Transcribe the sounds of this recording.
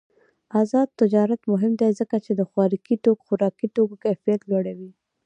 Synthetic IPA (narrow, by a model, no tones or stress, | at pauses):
azɑd̪̚t̪ːɪd͡ʒɑɾat̪mʊɦɪmd̪ezəkat͡ʃed̪əxwɑɾikiʈokxʊɾɑkiʈokokajfijat̪lwaɽawi